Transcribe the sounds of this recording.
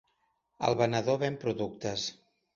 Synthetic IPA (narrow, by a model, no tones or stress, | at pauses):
ə̰lˠβənəðoβempɾuðuk̚t̪əs